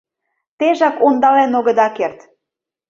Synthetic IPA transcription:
t̪eʒɑkond̪ɑlenoɣə̆d̪ɑkert̪

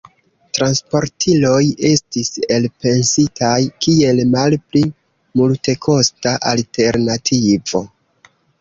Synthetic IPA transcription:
tɾanspo̞ɾtʰilo̞je̞stise̞lpe̞nsitʰajkie̞lmalpli | multe̞kʰo̞staʔaltʰe̞ɾnatʰivo̞

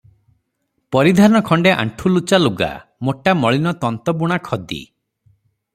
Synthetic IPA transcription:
pɔɾid̪ʱanɔkʰɔɳɖeʔa̰ɳʈʰulut͡ʃaluɡa̰moʈamɔɭinɔt̪ɔnt̪ɔbuɽ̃akʰɔd̪ḭ

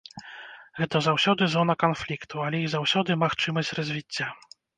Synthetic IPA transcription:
ɣɛt̪ɐzawsʲɔd̪ɨzɔnɐkanflʲikt̪ualʲɛjiɣzawsʲɔd̪ɨmaxt͡ʂɨmɐsʲtʲrɐzʲvʲit͡sʲːa

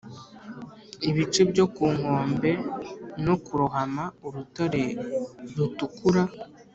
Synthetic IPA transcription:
iβit͡ʃebɟo̞kuːŋho̞ːmbe̞nokuɾuɦamauɾutoɾe̞ɾutukuɾa

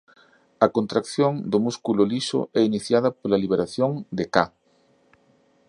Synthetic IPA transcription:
ɐkont̪ɾakθjoŋd̪ʊmuskulʊliʃʊ̰ɛiniθjað̞ɐpolɐliβ̞eɾaθjoŋd̪eka

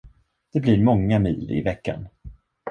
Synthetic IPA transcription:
d̪̥ɛblɪɾmɔŋːamiːlɪ̰vɛkːa̰n

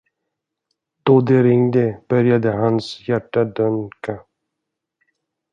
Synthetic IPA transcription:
d̪̥od̪ɛɾɪŋd̪əb̥œɾjad̪əɦansjæʈːad̪œŋka

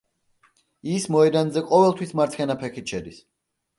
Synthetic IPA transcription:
ismɔɛd̪anzɛqʼɔvɛlˠt̪ʰwismaɾt̪sʰχɛnapʰɛkit̪ʃɛd̪is

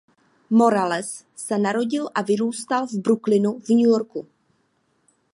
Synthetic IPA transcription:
mo̞ɾalɛsː | ɛnaɾo̞ɟɪlʔavɪɾuːst̪alvbɾuklɪnuvɲujo̞ɾku

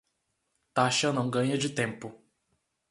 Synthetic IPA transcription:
t̪aʃɐnɐ̃w̃ɡɐ̃ɲɐd͡ʒɪt̪ẽmpʊ

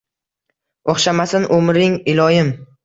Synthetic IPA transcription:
oχʃamasɪnʔomɾɪŋɪlˠɒjɪm

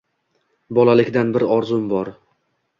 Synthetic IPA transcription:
bɒlalɪkʲd̪anbɪɾɒɾzʊmbɒɾ

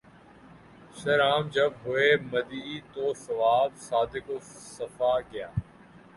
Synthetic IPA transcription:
ʃɐɾaːmd͡ʒəbɦʊeːməd̪iːt̪oːsɐʋaːbsaːd̪ɪkosəfaːɡɪja̰ː

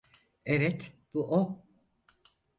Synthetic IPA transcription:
evɛt̪b̥uʔo

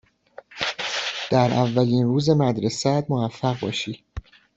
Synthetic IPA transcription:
d̪̥æɾʔævːæliːnruːze̞mæd̪ɾesæd̪movæfːæɣbɒ̰ːʃiː

